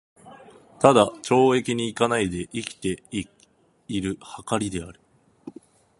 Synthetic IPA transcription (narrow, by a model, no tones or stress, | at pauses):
t̪ad̪at͡ɕo̞ːe̞kʲiɲ̟iːkanaid̪e̞ʔikʲi̥t̪e̞i | iɾɯ̟hakaɾʲid̪e̞aɾɯ̟̥